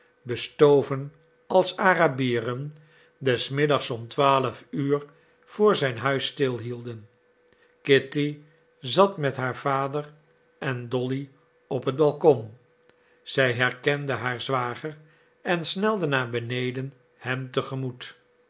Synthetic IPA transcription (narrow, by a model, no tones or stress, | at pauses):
bəstowvən | ɑlˠsaːrabiːrən | dɛsmɪdɑχsɔmtʋaːləfyːɹ | v̥ʊːɹzɛjnɦœɥstɪlˠɦilˠdən | kɪti | zɑtmɛtɦaːɹv̥aːdər | ʔɛndɔli | ɔpɦəd̚bɑlˠkɔm | z̥ɛjɦɛɹkɛndəɦaːɹzʋaːχər | ɛnsnɛlˠdənaːbənejdən | hɛmtəχəmut